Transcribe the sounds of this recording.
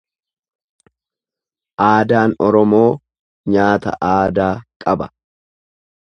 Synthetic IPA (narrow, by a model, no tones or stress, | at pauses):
ʔaːd̪aːnɔɾɔmo̞ː | ɲaːt̪ɐ̰ʔaːd̪aːkʼɐbɐ̥